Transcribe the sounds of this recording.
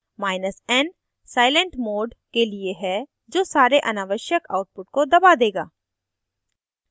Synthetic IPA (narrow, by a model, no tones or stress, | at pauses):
maːɪnəsɛn | saːɪlə̃ɳʈmoːɖkelieɦɛ | d͡ʒoːsaːɾeʔɐnaːʋəʃjəkaːʊʈ̚pʊʈ̚kod̪ɐbad̪eːɡa̰ː